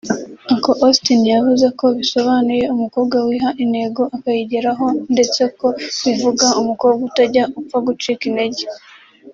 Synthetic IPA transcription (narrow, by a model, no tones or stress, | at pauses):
akoʔostinijavuze̞ko̞βiso̞βanuje̞umuko̞βɡwawiːɦaʔine̞ɡo̞ʔakajiɟeɾaɦo̞nde̞t͡se̞ko̞βivuɡaumukoːβɡauutaɟaufaɡut͡ʃikine̞ɟe